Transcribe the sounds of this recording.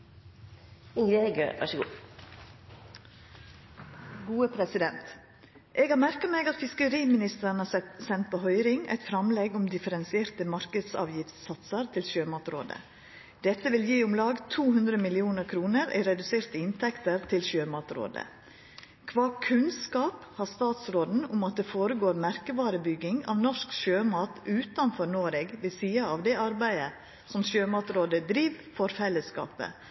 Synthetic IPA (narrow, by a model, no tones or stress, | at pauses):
ɪeɡø̰ʋɑ̰ʂəɡuː | ɡuːəpʰɾɛsɪd̪ɛnt̪ | ʔeːɡhɑːɾmæɾkɑmeɡɑt̪fɪskəɾiːmɪnɪst̪əɾɳ̩əhɑsɛt̪sɛnt̪̚pʰoːhœʏɾɪŋæ̰ɪt̪fɾɑmlɛɡʊmd̪ɪfəɾɛnsɪeːɾt̪əmɑɾkəd̪sɑ̰ːʋjɪft̪ssɑt̪səɾt̪ʰɪlʃøːmɑːt̪ɾo̰ːd̪ə̰ | d̪̥ɛt̪ːəʋɪljiːʊmlɑːɡt̪ʰuːhʉnd̪ɾəmɪlɪuːnəɾkʰɾuːnəɾæ̰ɪɾɛd̪ʉseːɾt̪əɪnt̪ʰɛkt̪əɾt̪ʰɪlɕøːmɑːt̪ɾo̰ːd̪ə̰ | kʰʋɑːkʰʉnskɑːphɑst̪ɑːt̪sɾoːd̪n̩ʊmɑt̪̚d̪ɛfoːɾəɡoːɾmæɾkəʋɑːɾəbʏɡːɪŋɑ̰ʋnɔʂkʃøːmɑːt̪ʉːt̪ɑnfɔɾnoːɾeɡʋɛsiːɑɑʋd̪ɛʔɑɾbæɪə | sɔmʃøːmɑːt̪ɾoːd̪əd̪ɾiːʋfɔɾfɛlːəskɑ̰ːpə̰